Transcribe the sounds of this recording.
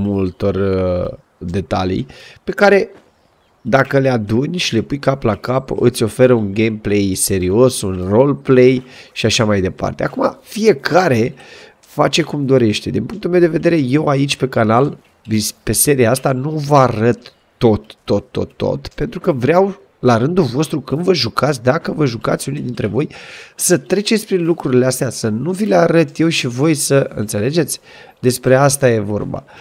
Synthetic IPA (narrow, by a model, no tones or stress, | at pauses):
mult̪o̞r | d̪e̞t̪a̰lḭjpe̞kaɾe̞ | d̪akəle̞ad̪unʲʃile̞pujkaplakapɨ̰t̪sʲo̞fe̞ɾəunɡemple̞jse̞ɾio̞sunro̞lple̞jʃiaʃamajd̪e̞pa̰rt̪e̞akuma̰fije̞kʰaɾe̞ | fat͡ʃe̞kumd̪o̞ɾe̞ʃt̪e̞d̪inpuŋk̚t̪ulmewd̪e̞ve̞d̪e̞ɾe̞je̞wait͡ʃʲpe̞kanal | vispe̞se̞ɾiaast̪anuvəaɾət̪ː | o̞t̪ːo̞t̪ːo̞̰t̪ːo̞̰t̪pe̞nt̪ɾukəvɾeaw | laɾɨnd̪ulvo̞st̪ɾukɨnd̪vəʒukat̪sʲd̪akəvəʒuka̰t̪sʲunid̪int̪ɾe̞vo̞jsət̪ɾe̞t͡ʃet̪sʲpɾinlukɾuɾileast̪easənuvileaɾət̪je̞wʃivo̞jsəɨ̰nt̪se̞le̞d͡ʒe̞t̪sʲ | d̪e̞spɾe̞ast̪aje̞vo̞̰rba̰